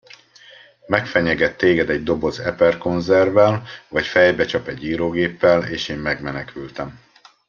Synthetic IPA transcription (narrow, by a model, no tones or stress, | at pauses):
mɛkfɛɲɛɡɛt̪ːeːɡɛd̪ɛɟ̚d̪o̞bo̞zɛpɛrko̞nzɛrvɛlvɒcfɛjbɛt͡ʃɒpɛɟːiːɾoːɡeːpːɛleːʃeːmːɛɡmɛnɛkʰylt̪ɛm